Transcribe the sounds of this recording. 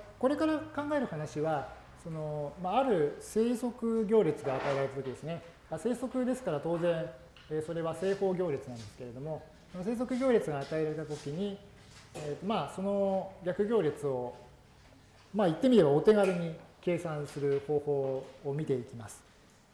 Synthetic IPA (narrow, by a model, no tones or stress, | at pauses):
ko̞ɾe̞kaɾakãŋɡae̞ɾɯ̟hanaɕiβa | so̞no̞maːɾɯ̟se̞ːso̞kɯ̟ɡʲo̞ːɾʲit͡sɨɡaːt̪aeɾaɾeat̪o̞kʲid̪e̞sɨne̞ | ase̞ːso̞kɯ̟d̪e̞sɨ̥kaɾat̪o̞ːzẽ̞ɰ̃ | eːso̞ɾe̞βase̞ːho̞ːɡʲo̞ːɾʲet͡sɨnãnd̪e̞sɨ̥ke̞ɾe̞d̪o̞mo̞ | sonose̞ːs̬o̞kɯ̟ɡʲo̞ːɾʲit͡sɨɡaːt̪aeɾaɾe̞t̪at̪o̞kʲiɲ̟i | et̪ːo̞maːso̞no̞ɡʲakɯ̟ɡʲo̞ːɾʲit͡sɨo̞ | mait̪ːe̞mʲiɾe̞bao̞t̪e̞ɡaɾɯɲ̟ike̞ːsãsɨɾɯ̟hoːho̞ːmʲit̪e̞ikʲimasɨ̥